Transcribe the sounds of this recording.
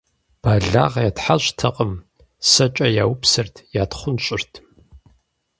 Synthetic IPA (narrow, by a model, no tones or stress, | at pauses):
b̥aːɮa̰ːʁjatħaɕtʰɐqʼəm | sɐt͡ʃʼɐjaːwʊpsɨrtʰjaːtχʷʊnɕʼɪrtʰ